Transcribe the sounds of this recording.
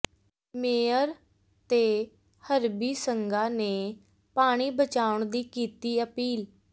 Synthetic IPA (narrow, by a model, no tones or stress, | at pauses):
meːəɾ | t̪eː | həɾbiːsəŋɡaːneː | paːɽ̃iːbət͡ʃaːʊɳd̪iːkiːt̪iːəpiːl